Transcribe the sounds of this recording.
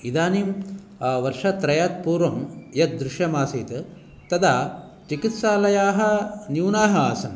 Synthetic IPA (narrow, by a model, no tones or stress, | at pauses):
id̪aːnim | ʋɐɾʂɐt̪ɾɐjaːt̪̚puːɾʋɐmjɐt̪̚d̪ɾɪʃjɐmaːsiːt̪ɐ | t̪ɐd̪aː | t͡ʃikit̪ʃaːlɐjaːɦɐ̆njuːnaːɦɐaːsɐm